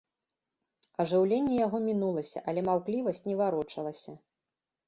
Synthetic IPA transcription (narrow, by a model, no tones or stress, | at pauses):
ɐʐɨwlʲenʲːɛjaɣɔmʲinulˠɐsʲɐ̰ʔɐlʲɛmawklʲivɐsʲt͡sʲnʲɛvaɾɔt͡ʂɐlˠɐsʲɐ